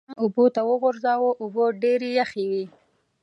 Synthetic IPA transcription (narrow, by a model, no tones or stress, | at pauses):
ʊbot̪awəɣʊɾzɑwoʔʊboɖeɾejaxewi